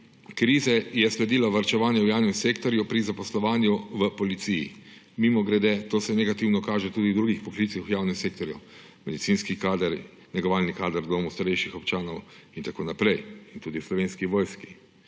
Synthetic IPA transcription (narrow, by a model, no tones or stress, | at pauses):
kɾiːzɛjɛslɛd̪iːlaʋaɾt͡ʃɛʋaːnjɛwjaːwnɛmseːkt̪ɔɾjupɾizapɔslɔʋaːnjuʋəpɔlit̪sijḭ | mimɔɡɾɛd̪ɛt̪oːsɛnɛɡat̪iwnɔkaːʒɛt̪uːd̪id̪ɾuːɡixpɔklit̪sixwjaːwnɛmseːkt̪ɔɾju | mɛd̪isiːnskikaːd̪ɾ | nɛɡɔʋaːlnikaːd̪əɾd̪oːmust̪aɾɛjʃixɔpt͡ʃaːnɔwint̪akoːnapɾɛjint̪uːd̪islɔʋeːnskiʋɔːjski̥